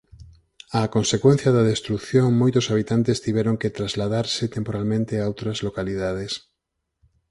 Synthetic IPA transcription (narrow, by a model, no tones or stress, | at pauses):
akonsekwen̟θjɐðɐðest̪ɾukθjoŋmojt̪ʊsaβ̞it̪ant̪est̪iβɛɾoŋket̪ɾazlaðaɾsɪt̪empoɾalmẽnt̪eaowt̪ɾɐzlokaliðað̞es